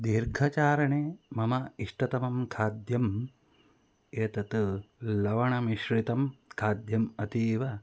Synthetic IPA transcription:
d̪iːɾɡʱɐt͡ʃaːɾɐɳeːmɐmɐiʂʈɐt̪ɐmɐmkʰaːd̪jɐm | eːt̪ɐt̪lɐʋɐɳɐmiʃɾit̪ɐmkʰaːd̪jɐmɐt̪iːʋɐ

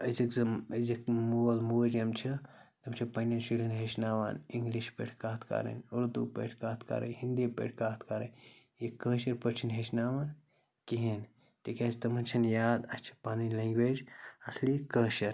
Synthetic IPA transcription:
ɐzikɐzikmulmud͡ʒɐmt͡ʃʰit̪ɐmt͡ʃʰipɐnɐnsiɾinɦeʃnaːʋa̰niŋɡliʃpḛʈʰkaːt̪ʰka̰ːɾɐ̰noɾt̪upḛʈʰkaːt̪ʰka̰ːɾɐ̰nhind̪ipḛʈʰkaːt̪ʰkaːɾɐn | jikəːʃɐɾpət͡ʃʰinɦeʃnaːʋan | kiɦin | t̪ekʲaːst̪ɐmɐnt͡ʃʰɐnjaːd̪ɐst͡ʃʰi̥paːnileŋɡʋeːd͡ʒɐslikəːʃɐɾ

